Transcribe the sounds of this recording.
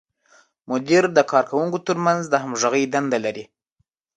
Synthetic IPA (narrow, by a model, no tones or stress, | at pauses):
mʊd̪iɾd̪əkʰɑɾkawuŋkot̪əɾmanzd̪əhamʒaɣəjd̪and̪alaɾi